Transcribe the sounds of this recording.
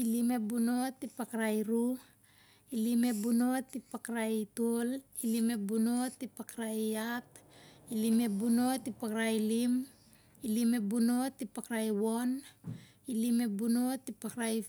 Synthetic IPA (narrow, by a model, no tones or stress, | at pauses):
ilime̞buno̞tipakɾajɾu | ilime̞buno̞tipakɾajtolilime̞bunotipakɾajatilime̞buno̞tipakɾailim | ilime̞buno̞tipakɾajwo̞n | ilime̞buno̞tipakɾaj